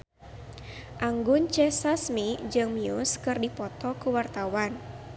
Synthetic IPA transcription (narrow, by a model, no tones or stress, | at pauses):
ʔaŋɡʊnt͡ʃɛsasmid͡ʒɨŋmiuskɨrdipɔt̪ɔkuwart̪awan